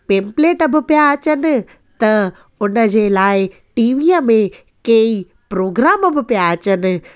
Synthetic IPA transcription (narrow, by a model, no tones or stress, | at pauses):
pẽːmpleːʈəbɪ̆pijaɐt͡ɕənɪ̆ | t̪ɐ | ʊnə̆d͡ʑeːlaːɪ | ʈiːʋiːəmẽ | kei | pɾoːɡɾaːməbʱɪpijaɐt͡ɕənɪ̆